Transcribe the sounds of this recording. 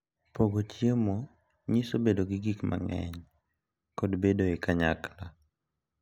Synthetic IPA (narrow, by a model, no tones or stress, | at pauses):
poɡot͡ʃjemo | ɲisobedoɡɪɡikma̰ŋɛ̰ɲ | kodbedoɛkaɲakla